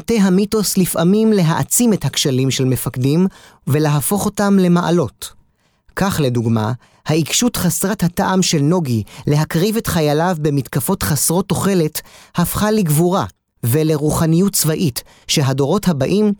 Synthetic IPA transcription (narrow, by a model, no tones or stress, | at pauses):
teɦamito̞slifʔamimle̞ɦaʔat͡simethakʃalimʃelmefakdim | ve̞leɦafo̞χo̞tamle̞maʔa̰lo̞t | kaχle̞duɡma̰ | haikʃutχasʁathataʔamʃe̞lno̞ɡile̞ɦakʁivetχajalavbe̞mitkafo̞tχasʁo̞tːo̞χe̞le̞thafχaliɡvuʁa | ve̞le̞ʁuχanijutt͡svaʔit | ʃe̞ɦado̞ʁo̞thabaʔim